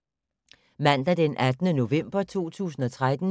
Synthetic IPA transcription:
mæn̰d̥æd̥enʔæd̥nəno̝ʋem̰b̥ɐt͡sʰo̝̰ːt͡sʰṵːsn̩ɒ̽t͡sʰʁad̥n̩

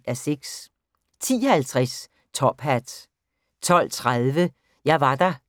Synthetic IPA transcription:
æseɡ̥s | t͡sʰḭːɒhælt͡sʰʁɛs | t͡sʰɒ̽b̥ɦæd̥ | t͡sʰɒ̽l̰t͡sʰʁaðˠʋə | jɑ̈ɪʋɑ̈d̥ɑ

